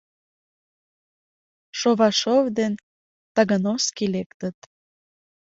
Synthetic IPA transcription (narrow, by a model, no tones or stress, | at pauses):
ʃoβɑʃovd̪en | t̪ɑɣənoskilekt̪ət̪